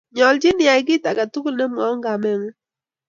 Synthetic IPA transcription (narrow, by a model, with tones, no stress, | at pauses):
ɲɔ˨ld͡ʒɪ˦nja˨i˦ɡ̬ɪ˦ta˨ka˨tu˦ku˦ne˦m˨ɔ˨˦ŋɡa˨mɛ˦ŋ˦